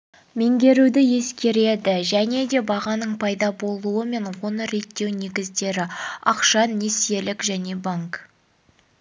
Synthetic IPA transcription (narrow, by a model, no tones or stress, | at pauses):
me̞ŋɡʲe̞ɾud̪ɪje̞skʲe̞ɾe̞d̪ɪʒæne̞d̪e̞bɑʁɑnəɴpʰɑjd̪ɑbo̞lˠuəme̞ɴwo̞nəɾe̞t̪ːe̞wne̞ɡʲɪzd̪e̞ɾɪɑqʃɑnːe̞se̞lɪkʒæne̞baŋk